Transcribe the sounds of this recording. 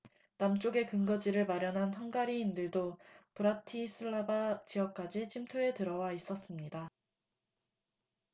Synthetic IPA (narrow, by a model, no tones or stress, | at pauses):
namt͡ɕ͈oɡe̞kɯŋɡʌd͡ʑiɾɯɭmaɾjʌnɦanɦʌŋɡaɾiːndɯɭdopɯɾatʰisʰɯɭːabat͡ɕiʌk̚k͈ad͡ʑit͡ɕʰimtʰue̞tɯɾʌwais͈ʌs͈ɯmɲida